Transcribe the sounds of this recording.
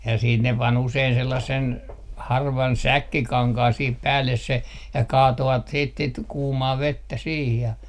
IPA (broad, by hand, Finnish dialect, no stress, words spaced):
jɑ siːt ne pɑn usein selːɑsːen hɑrʋɑn sækːikɑŋkɑːn sih pæːlːes se jɑ kɑːtoʋɑt siːt sit kuːmɑː ʋetːæ siːh jɑ